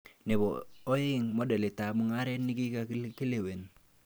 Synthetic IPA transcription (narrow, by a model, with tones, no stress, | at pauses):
ne˨bɔ̰˨o˦ɪ˦ŋmo˦de˨le˨ta˨mu˨ŋa˦ɾe˦nːi˦ki˦ka˨kki˦le˨we˨n